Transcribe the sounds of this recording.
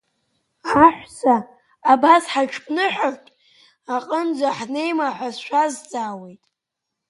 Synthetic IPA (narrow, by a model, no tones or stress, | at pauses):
aħʷsaː | basħat͡ʃʰpʼnɨħarʷtʼ | aqʼənd͡zʷaħne̞jmaħʷazʃʷᶣazd͡zaːwe̞jtʼ